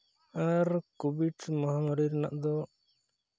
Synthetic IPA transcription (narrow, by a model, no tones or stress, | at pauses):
aɾkubiʈmɔɦaŋɔɾiɾna̰ʔd̪ɔ